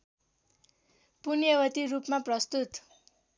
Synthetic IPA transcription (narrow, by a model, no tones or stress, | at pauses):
punjʌwʌt̪iɾupmaprʌst̪ut̪